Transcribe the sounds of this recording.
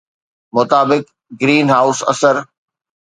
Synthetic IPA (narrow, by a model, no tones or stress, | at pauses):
mʊt̪aːbɪk | ɡɾiːnɦaːʊsɐ̰səɾ